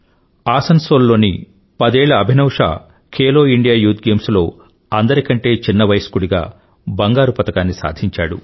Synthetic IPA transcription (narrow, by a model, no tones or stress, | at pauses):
aːsɐnsoːlːo̞ːnḭ | pɐd̪ɛːɭɐːbʱinɐwʂa̰ː | kʰeːlo̞ːiɳɖijaːjuːt̪̚ɡe̞ːmslo̞ː | ɐnd̪ɐɾikɐɳʈe̞ːt͡ʃinːɐʋɐjskuɽiɡa̰ː | bɐŋɡaːɾupɐt̪ɐkaːnːisa̰ːd̪ʱiɲt͡ʃa̰ːɽu